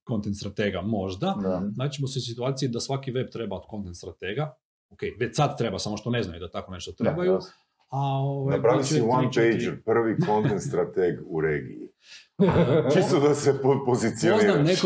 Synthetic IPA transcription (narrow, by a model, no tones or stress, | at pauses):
ko̞nt̪ent̪st̪ɾat̪eɡamo̞ʒd̪anaːt͡ʃemoseusit̪uaːt̪sijid̪asʋakiʋe̞b̚t̪ɾe̞baod̪̚ko̞nt̪ent̪st̪ɾat̪eːɡa | okejʋet͡ɕsad̪̚t̪ɾe̞basamoʃt̪one̞znajud̪at̪ako̞ne̞ʃt̪ot̪ɾebaju | aoʋajpɾaisieiʋanpejd͡ʒəɾpr̩ʋikontent̪st̪ɾat̪eɡuɾeːɡḭi | t͡ʃistt̪od̪asepopozit̪sioninaːmneko